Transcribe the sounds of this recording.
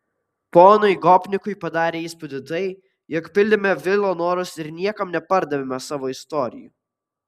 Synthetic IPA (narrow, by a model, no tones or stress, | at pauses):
poːnʊɪɡɔːpʲnʲɪkʊɪpɐd̪ɑːɾʲeːiːspʊd̪ʲɪt̪ɐɪ | jɛkpʲɪlʲd̪ʲɪmʲɛʋʲɪlˠoːnoːɾʊsɪɾnʲiɛkɐmnʲɛpɐɾd̪ɐʋʲemʲɛsɑːʋoːɪst̪ɔːɾʲɪ̰jṵˑ